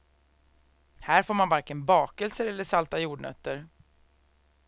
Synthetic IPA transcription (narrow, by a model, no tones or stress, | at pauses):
hæːɾfoːɾmanvaɾkɪnbɑːkəlsəɾɛlːəʂalt̪ajuːɖɳœ̰t̪ːəɾ